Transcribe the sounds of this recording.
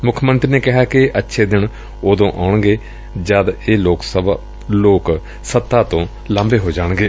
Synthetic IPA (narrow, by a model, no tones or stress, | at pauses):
mʊkʰːmənt̪ɾiːneːkɪɦaːkɪʔətːʃʰeːd̪ɪn | oːd̪õːʔaːʊɳɡeː | d͡ʒad̪eːloːksəbaː | loːk | sət̪ːaːt̪õː | lãːmbeːɦoːd͡ʒaːɽ̃ɡeː